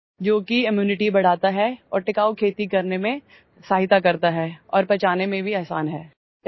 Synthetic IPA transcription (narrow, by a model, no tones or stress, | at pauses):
d͡ʒoːkiɪmjuːnɪʈibɐɽ̤aːt̪aɦɛɔ̰ːɾʈɪkaːokʰeːt̪ikɐɾnemẽ | saːɦɪt̪akɐɾt̪aɦɛːɔ̰ːɾpɐt͡ʃaːnemẽbʱiɛɦsaːnɦɛː